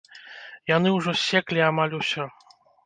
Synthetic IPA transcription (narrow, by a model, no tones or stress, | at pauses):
janɨwʐɔsʲɛklʲiamalʲusʲɔ